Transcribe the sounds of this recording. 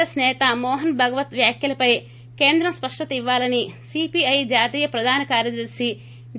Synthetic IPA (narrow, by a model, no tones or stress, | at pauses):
ɐsnɛːt̪ɐmɔːɦɐnbʱɐɡɐʋɐt̪ʋjaːkjɐlɐpɐj | keːnd̪ɾɐmspɐʂʈɐt̪ɐiʋːaːlɐnisipiɐjd͡ʒaːt̪iːjɐpɾɐd̪ʱaːnɐkaːɾjɐd̪ɐɾʃi